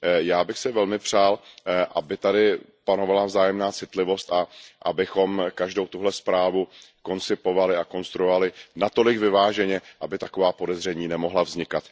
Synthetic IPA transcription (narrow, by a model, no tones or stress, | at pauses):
jaːbɪxsɪvɛlmɪpr̝̥aːlʔabɪt̪adɪ | pano̞valavzaːjɛmnaːt͡sɪt̪lɪvo̞st̪aʔabɪxo̞mkaʒdo̞wt̪uɦlɛspɾaːvuko̞nt͡sɪpo̞valɪako̞nst̪ɾujovalɪnat̪o̞lɪɡvɪvaːʒɛɲɛʔabɪt̪ako̞vaːpo̞dɛzr̝ɛɲiːnɛmo̞ɦlavzɲɪkat̪